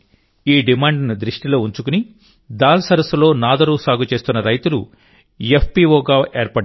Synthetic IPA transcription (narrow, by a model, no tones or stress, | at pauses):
iːɖimaːɳɖnid̪ɾiʂʈilo̞ːuɲt͡ʃukuni | d̪aːlsɐɾɐslo̞ːnaːd̪ɐɾusaːɡut͡ʃe̞ːst̪unːɐɾɐjt̪ulu | jepʰpiʋoːɡaːʔeːɾpɐː